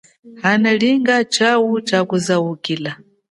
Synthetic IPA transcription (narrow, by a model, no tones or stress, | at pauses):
hanaliŋɡat͡ʃawut͡ʃakuzawukiːla